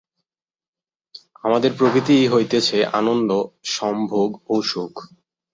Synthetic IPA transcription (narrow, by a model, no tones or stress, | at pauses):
amad̪eɾpɾokɾit̪ijɦojt̪et͡ɕʰeʔanond̪oʃɔmbʱoɡoʃokʰ